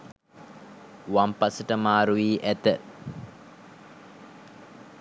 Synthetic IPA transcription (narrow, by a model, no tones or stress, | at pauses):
wampasəʈəmaːɾuʋiːʔæt̪ə